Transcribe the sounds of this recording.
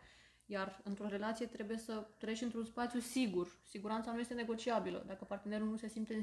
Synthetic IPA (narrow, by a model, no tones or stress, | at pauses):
jarɨnt̪ɾo̞ɾe̞lat̪sije̞t̪ɾe̞buje̞sət̪ɾe̞t͡ʃʲɨnt̪ɾunspat̪sijusiɡursiɡuɾant̪sanuje̞st̪e̞ne̞ɡo̞t͡ʃiabilə̰d̪akəpart̪ene̞ɾulnuse̞simpt̪e